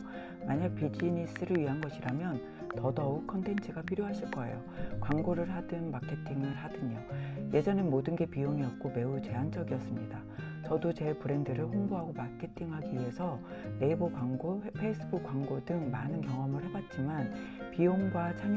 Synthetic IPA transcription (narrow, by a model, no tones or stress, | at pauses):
maɲak̚pid͡ʑinis͈ɯɾɯɭɥiɦanɡʌɕʰiɾamjʌn | tʌdʌukʰʌntʰe̞nt͡ɕʰɯɡapʰiɾjoɦaɕʰiɭk͈ʌe̞̰jo̰ | kwaŋɡoɾɯɭɦadɯnmakʰe̞tʰiŋɯɭɦadɯɲoje̞d͡ʑʌnɯnmodɯnɡe̞pioŋiʌt̚k͈ome̞ut͡ɕe̞ɦand͡ʑʌɡiʌs͈ɯmɲida | t͡ɕʌdot͡ɕe̞pɯɾe̞ndɯɾɯɭhoŋboɦaɡomakʰe̞tʰiŋɦaɡiɥiɦe̞sʰʌ | ne̞ibokaŋɡopʰe̞is͈ʰɯbuk͈ːwaŋɡodɯŋmanɯnkjʌŋʌmɯɭhe̞bat̚t͡ɕ͈iman | pioŋɡwat͡ɕʰaŋ